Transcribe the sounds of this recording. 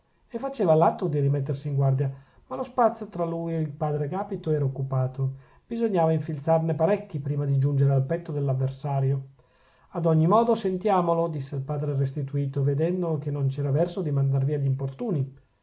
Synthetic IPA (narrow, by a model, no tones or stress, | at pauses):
efːat͡ʃeːvalat̪ːod̪iɾimet̪ːersiːŋɡward̪ja | malospat̪sːjot̪ɾalujeilpaːd̪ɾeɡaːpit̪oɛːɾaokːupaːt̪o | b̥izoɲːaːvaiɱfilt̪sarnepaɾɛkːipɾiːmad̪id͡ʒund͡ʒeɾealpɛt̪ːod̪elːavːersaːɾjo | ad̪ɔɲːimɔːd̪osent̪jaːmolod̪isːeilpaːd̪ɾerest̪it̪uiːt̪oved̪ɛnd̪ok̟enːont͡ʃɛːɾavɛrsod̪imand̪arviːaʎimport̪uːni